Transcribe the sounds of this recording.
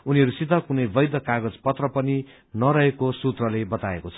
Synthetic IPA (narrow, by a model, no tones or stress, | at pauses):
uniɦʌɾusit̪ʌkunʌjbʌjd̪ʌkaɡʌd͡zpʌt̪rʌpʌni | nʌɾʌɦekosut̪rʌlebʌt̪aḛkot͡sʰʌ̥